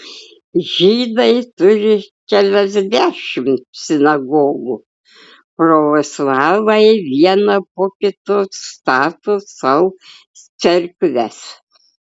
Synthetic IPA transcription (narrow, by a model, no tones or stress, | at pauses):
ʒʲiːd̪ɐɪt̪ʊɾʲɪkʲælʲɛzʲd̪ʲæːʃʲɪmt̪sʲɪnɐɡoːɡuː | pɾoːʋoslˠɑːʋɐɪʋʲiɛnɐpoːkʲɪt̪oːsst̪ɑːt̪osɐʊ | t͡sʲɛɾʲkʋʲæs